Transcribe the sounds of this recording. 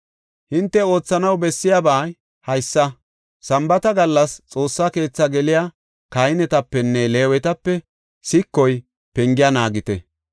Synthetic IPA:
hɪnt̪ːɛo̞ːt͡sːɐnɐwbɛsːɪjabaː | hɐjsːɐ | sɐmbɐt̪ɐɡɐlːɐst͡sʼo̞ːsːake̞ːt͡sːɐɡɛlɪja | kɐjnɛt̪ɐpːɛnːɛleːwɛt̪ɐpːɛ | sɪkːɔj | pɛŋɡɪjɐnaːɡɪt̪ɛ

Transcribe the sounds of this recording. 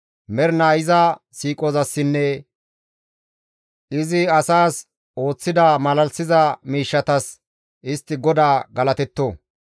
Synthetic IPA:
mɛɾnaːjɪzɐ | siːkʼɔzɐsːɪnːɛ | ɪzɪɐsaːs | o̞ːt͡sːɪd̪ɐmɐlɐlsɪzɐmiːʃːɐt̪ɐs | ʔɪst̪ːɪɡɔd̪aːɡɐlɐt̪ɛt̪ːo

